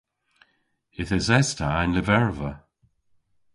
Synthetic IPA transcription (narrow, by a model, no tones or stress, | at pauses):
ɪθɛzɛstʰaɪnlɪvɛɹvə